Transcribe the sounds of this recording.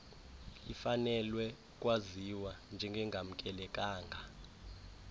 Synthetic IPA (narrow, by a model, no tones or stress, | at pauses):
ifanɛlwɛ | k̬ʼwaziwand͡ʒʱɛŋɡʱɛŋɡʱam̩kʼɛlɛkʼaːŋɡʱa